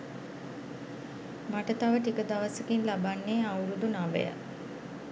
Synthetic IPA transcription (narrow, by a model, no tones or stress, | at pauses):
maʈət̪aʋəʈikəd̪aʋəsəkinlabanːeːawɾud̪unaʋə̰jə̰